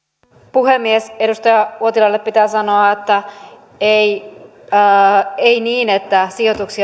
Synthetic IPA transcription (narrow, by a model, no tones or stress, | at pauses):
puɦemːiese̞dust̪ɑjɑuot̪ilɑlːeppit̪æːsɑno̞ɑet̪ːæ | ei | einiːne̞t̪ːæsio̞t̪uksi